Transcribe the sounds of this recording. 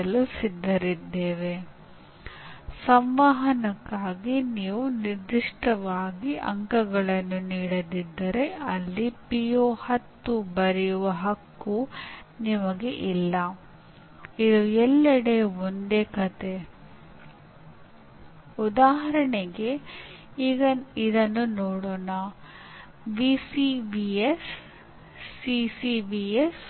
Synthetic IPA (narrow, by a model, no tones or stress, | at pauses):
ɐlusid̪ːɐɾid̪ːeːʋe̞ | sɐmʋaːɦɐnɐkːaːɡiniːʋuniɾd̪iʂʈɐʋaːɡiʔɐ̰ŋkɐɡɐɭɐnːuniːɽɐd̪id̪ːɐɾe̞ɐlːipijoːhɐt̪ːubɐɾɛjuʋɐɦɐkːunimɐɡe̞ʔilːɐ | id̪uɛlːɐɽeond̪ekɐt̪e̞ | ud̪aːɦɐɾɐɳeɡe̞ | ɐid̪ɐnːunɔːɽoːnɐ | ʋisiʋiesː | isibies